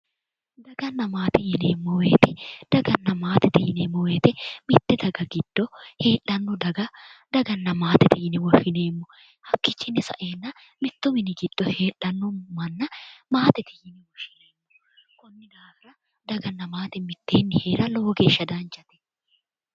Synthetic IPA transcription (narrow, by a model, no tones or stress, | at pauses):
d̪ɐɡɐnːɐmaːt̪ɪjɪneːmːɔweːt̪ɪd̪̥ɐɡɐnːɐmaːt̪ɪt̪ɪjɪneːmːɔweːt̪ɛmɪt̪ːɪd̪ɐɡɐɡɪd̪̥ːɔhe̞ːʔɐnːʊd̪ɐɡɐd̪̥ɐɡɐnːɐmaːt̪ɪt̪ɪjɪnɪwɔʃɪneːmːɔ | hɐkːɪt͡ʃːɪnɪsɐ̰ʔeːnːɐ | mɪt̪ːʊmɪnɪɡɪd̪̥ːɔhe̞ːᶑɐnːʊmɐnːɐmaːt̪ɪt̪ɪjɪnɪwɔʃɪneːmːɔ | kʊnːɪd̪aːɡɐɾɐ | d̪ɐɡɐnːɐmaːt̪ɪmɪt̪ːeːnːɪhe̞ːɾɐlo̞ːɡe̞ːʃːɐd̪aːnt͡ʃʼɐt̪ɛ̥